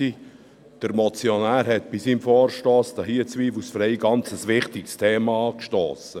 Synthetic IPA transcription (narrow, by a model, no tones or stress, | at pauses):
i | d̥əɾmɔt͡sjonæːɾɦɛt̪̚b̥isiːmfɔːɾʃtoːsd̥ɑɦiət͡sʋiːfusfɾɛɪɡɑnt͡səsʋɪχtɪkstʰeːmɑɑːkʃtoːsə